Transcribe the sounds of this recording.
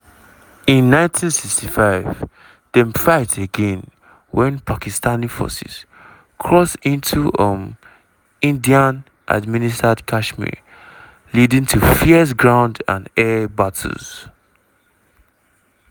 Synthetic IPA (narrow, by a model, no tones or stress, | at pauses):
ĩnːãɪ̃ntʰĩnsikstifaɪv | d̥ɛ̃mfaɪtʰeɡɛ̃n | wɛ̃npʰakistanifɔ̰sḭs | kʰɹɔsĩntʰuʌm | ĩndiãn | ʔa̰dministadkʰaʃmḭ | lidĩŋtʰufis̬ɡɹãʊ̃ndã̰nɛbatʰə̰z̥